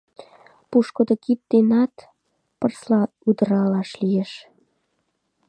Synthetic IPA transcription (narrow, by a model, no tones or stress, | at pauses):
puʃkod̪okip̚t̪enɑt̪ | pərslɑ | ud̪əɾɑlɑʃlijeʃ